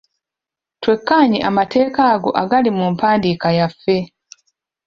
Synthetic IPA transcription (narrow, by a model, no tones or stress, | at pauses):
twe̞kːaːɲiʔamate̞ːkaːɡo̞̰ʔaɡalimumpaːndikajafːe̞